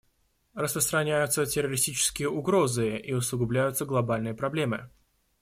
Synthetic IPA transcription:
rəspɾəst̪ɾɐnʲæjʊt̪sətʲɪrːəɾʲɪsʲtʲit͡ɕɪ̥skʲɪjəʔʊɡɾo̞zɨʔiʊsˠʊɡʊblʲæjʊt̪səɡlˠɐbalʲnɨjəpɾɐblʲe̞mɨ

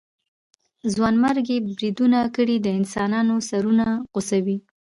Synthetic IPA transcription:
zwɑnmaɾɡebɾid̪unakəɽid̪əɪnsɑnɑnosaɾunaɣʊsawi

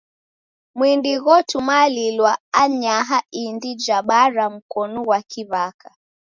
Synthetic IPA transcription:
mwindiɣɔtumalilwaaɲaɦaindid͡ʒaɓaɾam̩kɔnuwakiβaka

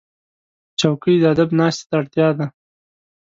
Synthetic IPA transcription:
t͡ʃawkəjd̪əad̪abnɑst̪e̥t̪aːɽt̪jɑd̪a

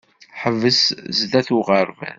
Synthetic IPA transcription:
ħəvːəszdæθuʁəɾvæ̰n

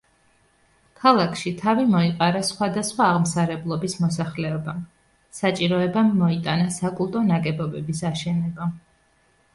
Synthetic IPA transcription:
kʰalˠakʰʃit̪ʰavimɔiqʼaɾasχwad̪asχwaːʁmsaɾɛblˠɔbismɔsaχlɛɔbam | sat͡ʃʼiɾɔɛbamːɔit̪ʼanasakʼulˠt̪ʼɔnakʼɛbɔbɛbisaʃɛnɛba

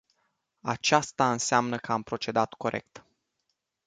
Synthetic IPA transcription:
a̰t͡ʃast̪aɨnseamnəkəampɾo̞t͡ʃe̞d̪at̪ko̞ɾʔe̞̰k̚t̪

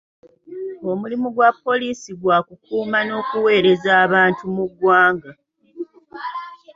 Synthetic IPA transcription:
o̞mulimuɡwapːo̞liːsiɡwaːkukuːmano̞ːkuwe̞ːɾe̞zaːβaːntumuɡwaːŋɡa

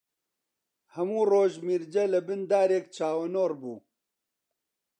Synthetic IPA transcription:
hɐmuːroːʒmiːɾd͡ʒɐlɐbɨnd̪aːɾeːkt͡ʃʰaːwɐnoːrbuː

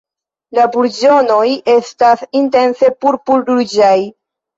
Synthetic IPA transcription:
labuɾd͡ʒo̞no̞je̞stasinte̞nse̞puɾpulduɾd͡ʒaj

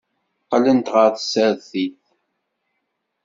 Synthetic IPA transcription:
qːɑlənt̪ʁəɾθəsəɾθiθ

